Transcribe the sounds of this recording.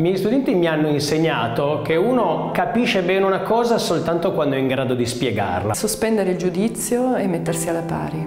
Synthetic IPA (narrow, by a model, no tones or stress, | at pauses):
mjɛjist̪ud̪ɛnt̪imianːoinseɲːaːt̪okeuːnokapiʃebɛːneunakɔːzasolt̪ant̪okwand̪oɛiŋɡɾaːd̪od̪ispjeɡa̰rla̰sospɛnd̪eɾeild͡ʒud̪it̪sːjoemːet̪ːersialːapa̰ːɾi